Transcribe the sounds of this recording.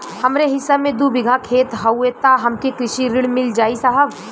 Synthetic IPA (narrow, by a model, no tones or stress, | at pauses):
hɐmɾeɦɪsːamẽd̪ubɪɡʱakʰeːt̪ɦɐwet̪aɦɐmkekɾɪʃiɾɪɽmɪld͡ʒaːisɐɦəb